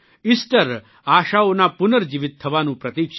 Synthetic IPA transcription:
isʈəɾ | aːɕaonapunəɾd͡ʑiʋit̪ʰːɐʋaːnũːpɾɐt̪iːk

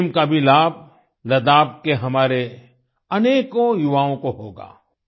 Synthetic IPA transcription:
mkabʱilaːb̚ʱ | lɐd̪aːb̚ʱkeɦɐmaːɾe | ɐneːkõjʊʋaːõkoɦoːɡa̰ː

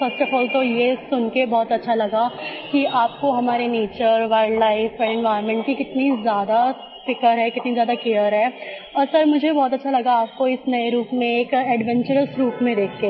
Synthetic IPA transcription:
fɐsʈəfɔːlt̪ojesʊnkebɔːt̪ɐtːʃʰalɐɡakiʔaːp̚koɦɐmaːɾeneːt͡ʃəɾʋaːɪɖlaːɪfɔɾɛ̃nʋaːɪɾmɛ̃ːɳʈkikɪt̪nizjaːd̪a | fɪkəɾɦɛkɪt̪nizjaːd̪akejəɾɦɛː | ɔːɾsɐɾmʊd͡ʒʱebɔːt̪ɐtːʃʰalɐɡaaːp̚koɪsnɐeɾuːpmẽeːkɛːɖʋɛ̃ɲt͡ʃəɾəsɾuːpmẽd̪eːk̚ʰt̪eː

